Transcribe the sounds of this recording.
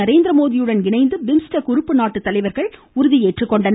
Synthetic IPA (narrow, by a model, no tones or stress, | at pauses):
ɐɾeːnd̪ɾɐmoːðɪjɯɽɐnɡɪɳɐɪnd̪ɯbɪmsʈɐkʊɾʊpːɯnaːʈːɯt̪ːɐlɐɪʋɐɾɣɐɭ | ʊɾʊðijeːʈrɯkːɔɳɖɐn